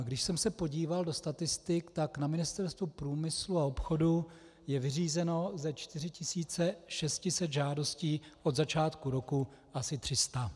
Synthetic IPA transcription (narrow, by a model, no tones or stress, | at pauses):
ɡdɪʃsɛmsɛpo̞ɟiːvaldo̞st̪at̪ɪst̪ɪkt̪aknamɪnɪst̪ɛɾst̪vupɾuːmɪsluaopxo̞du | jɛvɪriːzɛno̞zɛt͡ʃt̪ɪr̝ɪcɪsiːt͡sɛʃɛscɪsɛd̪ʒaːdo̞sciːʔo̞d̪zat͡ʃaːt̪kuɾo̞ku | ʔasɪt̪r̝̥ɪst̪a